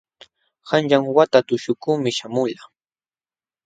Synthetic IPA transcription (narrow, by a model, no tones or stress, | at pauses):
hanʎaŋwat̪at̪ʊʃʊkuːmɪʃamʊʎa